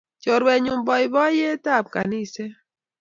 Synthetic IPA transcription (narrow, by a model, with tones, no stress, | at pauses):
t͡ʃɔ˨ɾwɛ˨ɲʊ˨mbɔ˨i˨bɔ˦je˦ta˦˨p̚ka̰˨ni˦sɛ˦